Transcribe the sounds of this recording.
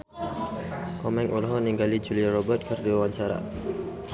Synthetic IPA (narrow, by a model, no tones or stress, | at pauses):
kɔmɛŋʔulɦɔniŋɡalid͡ʒuliaɾɔbərt̪̚kərdiwawaɲt͡ʃaɾa̰